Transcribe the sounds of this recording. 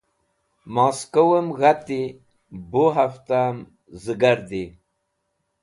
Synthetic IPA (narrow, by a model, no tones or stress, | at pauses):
maːskowəmɣat̪i | buɦaft̪am | zəɡaɾd̪i